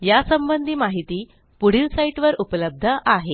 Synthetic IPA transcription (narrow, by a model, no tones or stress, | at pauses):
jasəmbənd̪ʱiːmaɦit̪iː | puɽ̤iːlsaiʈʋəɾupələb̚d̪ʱəʔaɦe